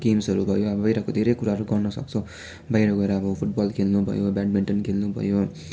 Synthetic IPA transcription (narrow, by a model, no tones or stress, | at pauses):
ɡemsɦʌɾubʱʌjoʌbbʌiɾʌkod̪ʱeɾekuɾaʌɾuɡʌɾnʌsʌ̰k̚t͡sʰʌ̃ | bʱʌiɾʌkɡʌeɾaːbʌpʰuʈ̚bɔlkʰelnubʱʌ̰jobaɖ̚biɳʈʌnkʰelnubʱʌ̰jo